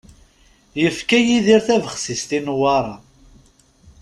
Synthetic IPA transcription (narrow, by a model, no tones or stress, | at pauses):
jəfkæjiðiɾθævəχsist̪inwɑɾˤɑ